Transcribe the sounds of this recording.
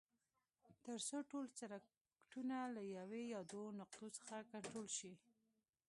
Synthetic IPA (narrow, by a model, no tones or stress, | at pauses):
t̪əɾsoʈolt͡saɾa | kʈunalajawejɑd̪onaq̚t̪ot͡sə̥xakaɳʈɾolʃi